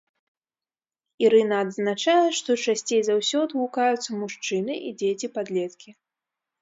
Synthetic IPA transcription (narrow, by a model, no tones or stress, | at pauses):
iɾɨnɐːd̪znat͡ʂajɛʂt̪ɔt͡ʂasʲt͡sʲejzawsʲɔd̪lˠukajut̪sːɐmuʂt͡ʂɨnɨʔid͡zʲet͡sʲipad̪lʲɛt̪kʲi